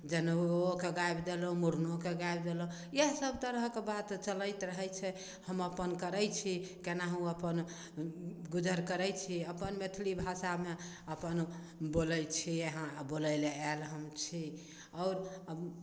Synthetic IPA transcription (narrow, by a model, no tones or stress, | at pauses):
d͡ʒənokeɡajbd̪elomuɾnokeɡajbd̪elo | jeɦsəbt̪əɾɦkebat̪t͡ʃələjt̪ɾəɦɛt͡ʃʰɛ | həməpənkəɾəjt͡ʃʰikenaɦũəpən | ɡud͡ʒəɾkəɾəjt͡ʃʰiəpənmet̪ʰlibʱasame | əpən | boləjt͡ʃʰieɦãboləɪleːlɦəmt͡ʃʰi | ɔʊɾə